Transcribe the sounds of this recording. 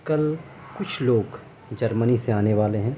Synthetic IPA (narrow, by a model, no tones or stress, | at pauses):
kɐl | kʊt͡ʃʰloːɡ | d͡ʒɐɾməniseaːneʋaːleɦɛ̃ː